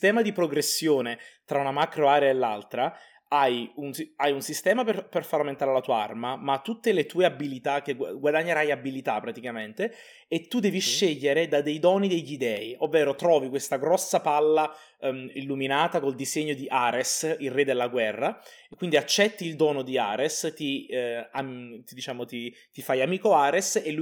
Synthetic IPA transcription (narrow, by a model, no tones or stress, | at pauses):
st̪ɛːmad̪ipɾoɡɾesːjoːnet̪ɾaunamakɾoaːɾeaelːa̰lt̪ɾa | ajunsajunsist̪ɛːmaperperfaɾamːent̪aːɾelat̪uːaa̰rmamat̪ːut̪ːelet̪uːeabilit̪ak̟ːeɡɡwad̪aɲːeɾajabilit̪apːɾat̪ikament̪e | et̪ːud̪ɛːviʃːeʎːeɾed̪ad̪ejd̪ɔːnid̪eʎid̪ɛːiʔovːeːɾot̪ɾɔːvikwest̪aɡɾɔsːapalːa | ilːuminaːt̪akold̪izeɲːod̪iʔaːɾesilrːed̪elːaɡwɛrːa | kːwind̪iat͡ʃːɛt̪ːiːld̪ɔːnod̪ia̰ːɾest̪iat̪id̪it͡ʃaːmot̪i | t̪ifajamiːkoaːɾeselu